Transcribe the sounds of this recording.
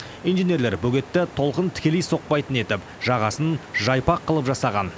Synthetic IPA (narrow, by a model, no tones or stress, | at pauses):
ijnʒenʲe̞ɾleɾbɵɡʲe̞t̪ːɪt̪ʰo̞lˠqənt̪ʰɪ̥kʲe̞lejso̞q̚pɑjt̪əne̞t̪ɪp | ʒ̥ɑʁɑsənʒɑjpɑqʰːəlˠəpʒɑsɑʁɑn